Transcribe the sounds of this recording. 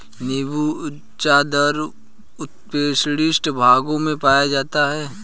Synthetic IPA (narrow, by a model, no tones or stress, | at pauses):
nɪbu | t͡ʃad̪əɾ | ʊt̪peːsɽɪsʈbʱaːɡõmẽpaːjad͡ʒaːt̪aɦɛː